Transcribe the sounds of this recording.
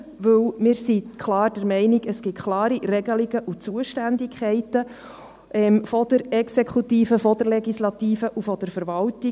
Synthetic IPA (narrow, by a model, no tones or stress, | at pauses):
ʋɵwmɪːɾsikʰlɑːɾd̥ɛɾmɛɪniɡəsɡ̥ɪtkʰlɑːɾiɾɛɡəliɡəʔut͡suəʃtændɪkʰχɛɪtə | ʔɛmfɔd̥̪əɾɛksekχut̪iːfəfɔd̥əɾlɛɡislɑt̪iːfəʔufɔd̥əɾfəɾvɑlti